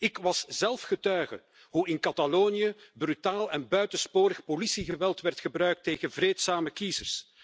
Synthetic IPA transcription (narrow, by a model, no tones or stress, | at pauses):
ɪkʋɑszɛlˠfxətœɥɣə̰ | ɦuɪnkɑtaloːnijəbrytaːlɛnbœɥtəspoːɾəxpolisiɣəʋɛlˠtʋɛrtxəbrœɥk̚teːɣənvrɾeːtsaːməkizərs